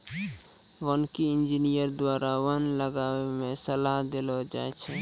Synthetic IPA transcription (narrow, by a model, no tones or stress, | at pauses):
ʋənkiind͡ʒinijəɾd̪waɾawənləɡawemesəlaɦd̪elɔd͡ʒa̰ɛt͡ʃʰɛ